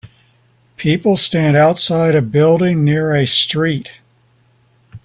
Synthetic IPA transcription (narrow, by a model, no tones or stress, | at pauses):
pʰipl̩ˠstæ̃ndaʊtsaɪɾɨbɪlˠdɪ̃ŋnɪɹɨstɹ̥it̚